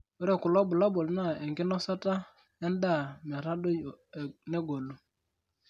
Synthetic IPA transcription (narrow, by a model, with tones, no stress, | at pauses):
o˦ɾɛ˦˨kʊ˨lɔ˦bʊ˨lɔ˦bɔ˨lna˦˨ɛ˨ŋɡɪ˦nɔ˦sa˦ta˦ | ɛ˦n˦da˦˨mɛ˨ɾa˦do˦jo˨nɛ˦ɡo˨lu˦